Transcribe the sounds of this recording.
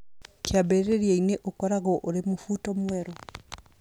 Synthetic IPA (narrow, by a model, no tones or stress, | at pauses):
keabeɾeɾjeineʔokɔɾaɣɔʔoɾemofutɔmwɛɾɔ